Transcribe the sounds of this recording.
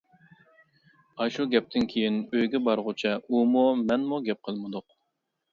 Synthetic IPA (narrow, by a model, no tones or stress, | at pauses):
ɑʃuɡʲɛp̚t̪ʰɪnkʲʰejinøjɡʲɛbɑɾʁʊt͡ʃʰɛumumɛnmuɡʲɛp̚qʰəlˠmɨd̪ʊq